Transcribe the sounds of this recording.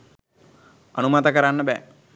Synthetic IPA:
anumat̪əkəɾanːəbɛ̰ː

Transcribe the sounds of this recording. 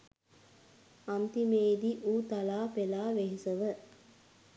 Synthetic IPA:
ant̪imeːd̪iʔuːt̪alaːpelaːʋeɦisəʋə

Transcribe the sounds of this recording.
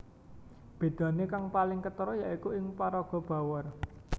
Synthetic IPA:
b̥e̤d̪̥ä̤nekaŋpalɪŋkət̪əɾɔjaʔikuɪŋpaɾɔɡ̥ɔ̤b̥a̤wər

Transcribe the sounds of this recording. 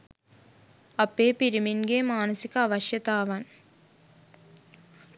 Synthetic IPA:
ɐpːeːpɪɾɪminɡeːmaːnɐsɪkːɐɐʋɐʃjɐt̪aːʋaːn

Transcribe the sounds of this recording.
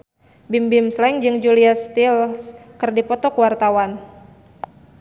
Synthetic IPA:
bimbɪmslɛŋd͡ʒɨŋd͡ʒuliast̪ilskɨrdipɔt̪ɔkwart̪awan

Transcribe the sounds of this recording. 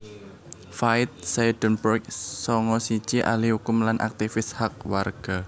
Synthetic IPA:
faɪt̪̚sajɖ̪̥ɔ̤npɾɔɛk̚sɔŋɔsi̥t͡ʃiʔa̰lihukʊmlanʔa̰k̚t̪ifɪshak̚warɡ̥a̤

